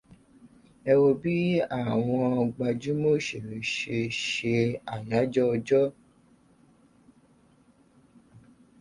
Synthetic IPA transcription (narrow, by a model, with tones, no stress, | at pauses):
ɛ˧wo˧bi˦a˦˨w̃ɔ̃˧ɡ͡ba˧d͡ʒu˦mo˦˨ʃe˨ɾe˨ʃe˧ʃe˧a˨ja˨˦d͡ʒɔ˦˧d͡ʒɔ˦